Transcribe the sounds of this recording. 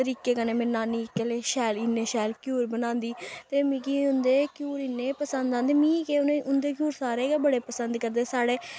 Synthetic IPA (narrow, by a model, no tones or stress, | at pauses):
t̪əɾiːkeːkəneːmẽːnaːniːkːɛleːʃɛːliːneːʃɛːlkjuːɾbənãːnd̪iːt̪eːmĩːkiːʊnd̪eːkjuːɾiːneːpəsənd̪ãːnd̪emĩːkeːʊnẽʊnd̪eːk̬juːɾsaːɾeːɡabəɽeːpəsənd̪kəɾd̪eːsaːɽeː